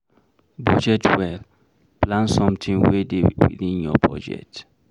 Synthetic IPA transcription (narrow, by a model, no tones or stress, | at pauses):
bɔd͡ʒɛtwɛl | plãnsɔ̃mtʰĩnwedewḭdĩnjɔbɹɔ̰d͡ʒɛ̰t